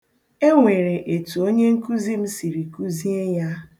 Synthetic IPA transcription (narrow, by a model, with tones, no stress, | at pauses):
e˦ŋʷe˨ɾe˨ʔe˨tu˨o˦ɲe˦ŋ̩˦ku˦zi˦m̩˦si˨ɾi˨ku˦zi˦e˦ja˦